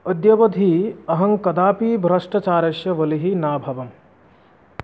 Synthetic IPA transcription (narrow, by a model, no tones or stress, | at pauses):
ɐd̪jɐʋɐd̪ʱiɐɦɐŋkɐd̪aːpiːbʱɾɐʂʈɐt͡ʃaːɾɐʃjɐʋɐliɦinaːbʱɐʋɐm